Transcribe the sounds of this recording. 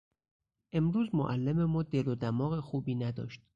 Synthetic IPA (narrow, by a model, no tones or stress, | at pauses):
ʔe̞mɾuːzmoʔælːememɒːd̪e̞lod̪æmɒːɣexuːbiːnæd̪ɒ̰ːʃt̪̚